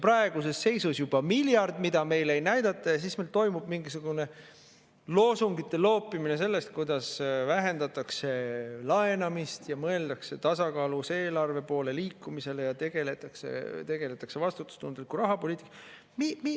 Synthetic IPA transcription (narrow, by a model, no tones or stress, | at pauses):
prɑe̞ɡ̥use̞sːe̞jsusjub̥ɑmiljɑrd̪mid̪̥ɑme̞jle̞jnæjd̪ɑt̪ːˑɑjɑsismelt̪o̞jmub̥miŋɡisuɡ̥une̞ | lo̞ːsuŋɡit̪ˑːe̞lo̞ːpːˑimine̞se̞lːe̞st̪̚kujd̪̥ɑsvæɦe̞nd̪ɑt̪ːˑɑkse̞lɑe̞nɑmist̪jɑmɤe̞ld̪ɑkse̞t̪ɑsɑkɑːluse̞ːlɑrve̞po̞ːle̞liːkːˑumise̞lejɑt̪e̞ɡ̥e̞let̪ːˑɑksḛt̪e̞ɡ̥e̞let̪ːˑɑ̥kse̞vɑst̪ut̪ːˑu̥st̪und̪̥likːuɾɑɦɑpo̞lʲiːt̪ːˑi̥kːˑɑ | mimi